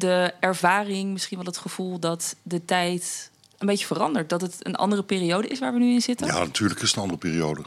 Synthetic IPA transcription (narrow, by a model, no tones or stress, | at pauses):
dəɛɹvaːrɪŋmɪsχinʋɛlˠɦətχəv̥ulˠdɔtdətɛjt | ənbejtjəfərɑndəɹt̚dɔtətə̰nʔɑ̰ndərəpɪːriowdəɪsʋaːɹʋənyɪnzɪtəja̰natʰyːɹləkɪsənɑndərəpiːɾiowdə